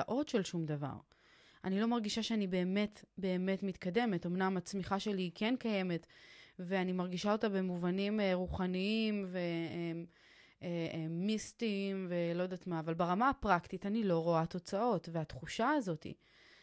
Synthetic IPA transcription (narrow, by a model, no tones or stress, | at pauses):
aʔo̞tʃe̞lʃumd̪ava̰ʁ | anilo̞maʁɡiʃaʃeanibe̞ːme̞t̪be̞ːme̞tmit̪kade̞me̞to̞mnamat͡smiχaʃe̞likenkaje̞me̞tveanimaʁɡiʃao̞tabe̞muvanimʁuχaniimve̞e | istimve̞lo̞jdat̪maːvalbaʁamaːpʁaktitanilo̞ʁo̞ato̞t͡sao̞tveat̪χuʃaazo̞t̪ḭ